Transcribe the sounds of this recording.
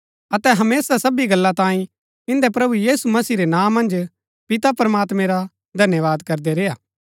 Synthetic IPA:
ɐt̪ɛɦɐmeːsasɐbiɡɐlːãt̪ãːĩ | ɪ̃nd̪epɾɐbujiːsumɐsiːɾenãːmːɐ̃nd͡ʒ | pɪt̪apɐɾɐmaːt̪mẽɾa | d̪ʱɐnjəʋaːd̪kɐɾd̪ɛɾeːjaː

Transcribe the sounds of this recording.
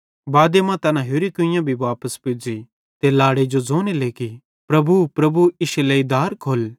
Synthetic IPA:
baːd̪emãt̪ɐnãɦoːɾikʊɪ̃jãbʱiʋaːpəspɪd͡ʒi | t̪elaːɽed͡ʒod͡zoːneleːki | pɾɐbupɾɐbuɪʃleid̪aːɾkʰoːl

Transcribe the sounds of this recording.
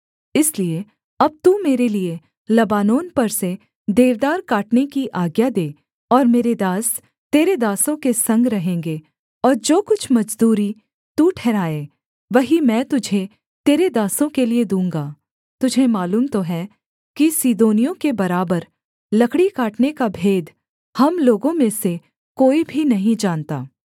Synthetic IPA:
ɪslie | ɐb̚t̪umeːɾelie | lɐbaːnoːnpɐɾse | d̪eːʋd̪aːɾkaːʈnekiʔaːɡjad̪eː | ɔːɾmeːɾed̪aːs | t̪eːɾed̪aːsõkesɐ̃ŋɡɾɐɦẽːŋɡeː | ɔːɾd͡ʒoːkʊt͡ʃʰmɐd͡ʒd̪uːɾi | t̪uʈʰɛːɾaːeː | ʋɐɦimɛ̃ːt̪ʊd͡ʒʱe | t̪eːɾed̪aːsõkelied̪ũːŋɡaː | t̪ʊd͡ʒʱemaːluːmt̪oɦɛ | kisid̪oːnijõkebɐɾaːbəɾ | lɐkɽikaːʈnekabʱeːd̪ | hɐmloːɡõmẽse | koːibʱinɐɦĩd͡ʒaːnt̪a̰ː

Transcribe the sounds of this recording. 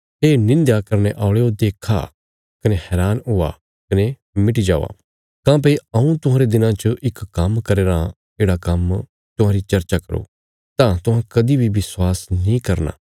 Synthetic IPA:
ɦeːnɪ̃nd̪jakɐɾneʔaːʊɭeod̪eːkʰa̰ | kɐnehɛːɾaːnʊa̰ | kɐne | mɪʈid͡ʒa̰ːʋa̰ | kãːp̬eiɐũt̪ʊɦãːɾed̪ɪnãt͡ʃəʔɪkkːɐmkɐɾeːɾa | eːɽakɐm | t̪ʊɦãːɾit͡ʃɐɾt͡ʃakɐ̰ɾo̰ | t̪ãt̪ʊɦãkɐd̪ibʱiʋɪswaːsnĩkɐɾna̰ː

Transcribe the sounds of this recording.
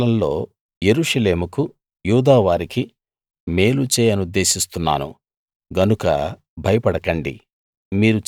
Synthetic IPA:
lɐmlo̞̰ː | je̞ɾuʂɐle̞ːmuku | juːd̪aːʋaːɾiki | me̞ːlut͡ʃɛːjɐnud̪ːe̞ːsist̪unːa̰ːnṵ | ɡɐnukɐ | bʱɐjɐpɐɽɐkɐɳɖḭ | miːɾu

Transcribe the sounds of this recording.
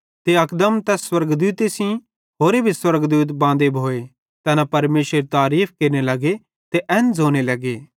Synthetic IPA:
t̪eɐkd̪əmt̪ɛswɐɾɡd̪uːt̪esĩ | ɦoːɾebʱiswɐɾɡd̪uːt̪bãːnd̪ebʱoːe | t̪ɛːnapɐɾmeːsəɾet̪aːɾiːpʰkeːɾnelɐɡe | t̪eʔɛ̃ːnd͡zʱoːñelɐɡeː

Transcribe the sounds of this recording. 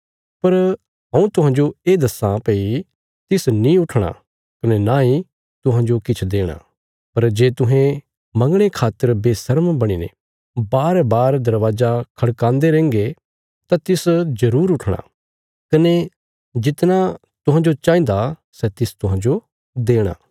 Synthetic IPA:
pɐɾ | ɦɐ̃ũt̪ʊɦãːd͡ʒoeːd̪ɐsãpeːi | t̪ɪsnĩʊʈʰɽ̃a̰ | kɐnenaĩ | t̪ʊɦãːd͡ʒokɪt͡ʃʰd̪eːɽ̃a̰ | pɐɾd͡ʒeːt̪ʊɦẽ | mɐ̃ŋɡɽ̃ekʰaːt̪ːəɾbeːsɐɾmbɐɽ̃inḛ | baːɾbaːɾd̪ɐɾʋaːzakʰɐɽkãːnd̪eɾɛ̃ːŋɡe | t̪ãt̪ɪszɐɾuːɾʊʈʰɽ̃a̰ | kɐne | d͡ʒɪt̪na | t̪ʊɦãːd͡ʒot͡ʃãːĩnd̪asɛt̪ɪst̪ʊɦãd͡ʒo | d̪eːɽ̃a̰ː

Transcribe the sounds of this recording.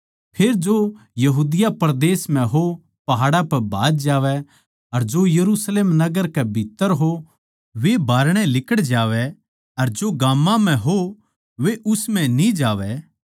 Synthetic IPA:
pʰeːɾd͡ʒojɐɦuːd̪ɪjapɐɾd̪eːsm̤ɛ̃ɦo | pɐɦaːɽapɐbʱaːd͡ʒd͡ʒaːʋɛ | ɐɾd͡ʒojɐɾuːsleːmnɐɡəɾkɛbʱɪt̪ːəɾɦo | ʋebʱaːɾɽ̃ɛ̃lɪkəɽd͡ʒaːʋɛ | ɐɾd͡ʒoɡaːmːãm̤ɛ̃ɦo | ʋeʔʊsmɛ̃nĩd͡ʒaːʋɛ

